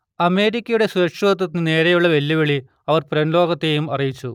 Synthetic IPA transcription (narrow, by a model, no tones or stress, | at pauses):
ɐme̞ːɾikʲːɐjuɽe̞suɾɐkʂʋɐt̪̬ːɐt̪ːinɨne̞ːɾejuɭːɐʋe̞lːiʋeɭi | ɐʋɐrpɾɐnlo̞ːɡɐt̪ːe̞jumɐrijit͡ɕːu